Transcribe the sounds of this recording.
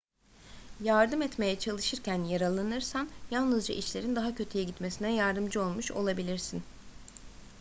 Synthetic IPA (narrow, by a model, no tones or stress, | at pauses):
jaɾd̪ɯmɛt̪me̞jɛt͡ʃʰalˠɯʃɯɾcænjaɾalˠanɯɾsanjalˠnɯzd͡ʒaʔit͡ʃlʲe̞ɾind̪aɦacʰø̞t̪ʰyjɛɟit̪me̞sinɛjaɾd̪ɯmd͡ʒɯo̞lˠmuʃo̞̰lˠabilʲiɾsin